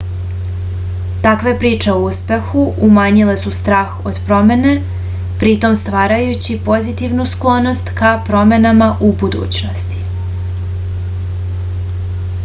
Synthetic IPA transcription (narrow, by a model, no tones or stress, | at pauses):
t̪akʋe̞pɾiːt͡ʂe̞o̞uspe̞xuʔumaːɲile̞sust̪ɾaːxo̞̰d̪̥pɾo̞me̞ne̞ | pɾit̪o̞mst̪ʋaːɾajut͡ɕipo̞zit̪iʋnusklˠo̞no̞st̪kapɾo̞me̞namaʔubud̪ṵːt͡ɕno̞st̪i̥